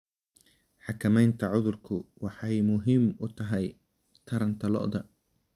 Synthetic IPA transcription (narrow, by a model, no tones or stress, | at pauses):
ħɑkʰɐmɛjnt̪ʰɐʕʊðʊrkʰʊwɑħɑjmʊɦɪmʊt̪ʰɐɦɛj | t̪ʰɐɾɐnt̪ʰɐlɔ̰ʔd̪ɐ